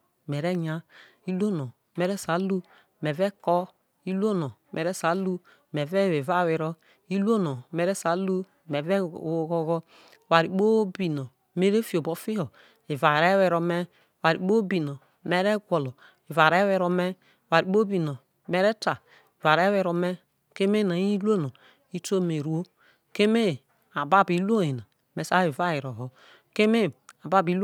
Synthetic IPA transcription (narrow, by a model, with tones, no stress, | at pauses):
mɛ˨ɾɛ˦ɲa˦ | i˦lu˦o˦no˨ | mɛ˦ɾɛ˦sa˨˦lu˦ | mɛ˨vɛ˦kɔ˦ | i˦lo˦nɔ˨ | mʔɛ˨ɾɛ˦sa˨˦lu˦ | mɛ˨vɛ˦we˨va˦˨wɛ˨ɾɔ˦ | i˦lu˦o˦nɔ˨mɛ˨ɾɛ˦sa˨˦lu˦ | mɛ˨vɛ˦˨wo˦ɣɔ˦ɣɔ˦˨ | wa˨ɾi˨k͡po˦bi˨nɔ˨ | me˦ɾe˦fi˨o˨bo˨fi˦hɔ˨ | i˨va˨ɾe˦wɛ˨ɾo˨mɛ˦˨ | wa˨ɾi˨k͡po˦bi˨no˨ | me˦ɾe˦ɡʷo˨lo˨ | i˨va˨ɾe˦wɛ˨ɾo˨me˦˨ | wa˨ɾk͡po˦bi˨no˨ | me˦ɾe˦ta˨ | i˨va˨ɾe˦wɛ˨ɾo˨me˦ | ke˦me˦na˨˦i˦lu˦o˦no˨ | i˦to˦me˨ɾu˨˦o˦ | ke˦me˦˨ | a˨ba˦bi˨˦lu˦o˦i˨na˨ | me˨sa˦i˨va˦i˨ɾo˨ɦo˨ | ke˦me˦a˨ba˦bi˨˦l